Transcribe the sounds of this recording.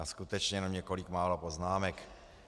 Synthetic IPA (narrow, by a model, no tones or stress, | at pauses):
askut̪ɛt͡ʃɲɛjɛnmɲɛko̞likmaːlopo̞znaːmɛk